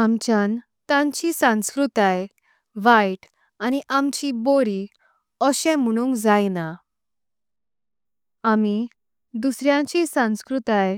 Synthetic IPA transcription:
amt͡ɕjan | t̪ãɲt͡ɕisãw̃skɾut̪aj | ʋajʈ | aniʔamt͡ɕiboɾi | ɔɕɛ̃m̤əɽ̃ũŋɡd͡zajna | ami | d̪usɾjãt͡ɕĩsãw̃skɾut̪aj

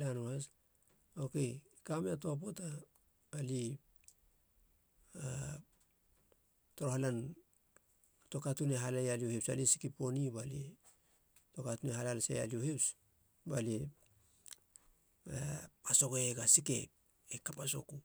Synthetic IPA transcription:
lanuas | okeikameatoap̬o̞taː | li | a | toɾohalan | to̞katuneɦalajaliohepsa̰lisi̥kipo̞nibali | to̞katuneɦalalasḛja̰lioheps | bali | aaso̞ɡoeɡasike̞̰p | ekapaso̞̰ku

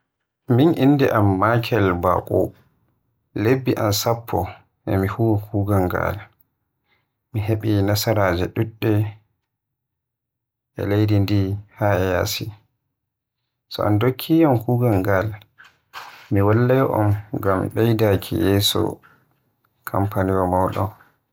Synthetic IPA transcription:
minʔinːdɛʔamːakʰɛlba̰kʼɔ̰ | lebːiʔansapʰːɔ | ʔɛmihuwɔkʰuːɡaŋɡa̰l | miɦeɓinasaɾad͡ʒɛɗuɗːɛ | ʔɛ̰lejdindihaɛjasi | sɔ̰ʔa̰ndokʰːijamkuːɡaŋɡal | miwalːajʔɔ̰mɡamɓɛjdakʰḭjɛsɔ̰ | kʰa̰mpʰaniwɔmawɗɔ̰m

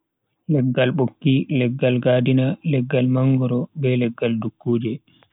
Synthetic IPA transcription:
lɛɡːalɓokːilɛɡːalɡaːdinalɛɡːalmaŋɡɔɾɔbɛlɛɡːaldukːoːd͡ʒɛ

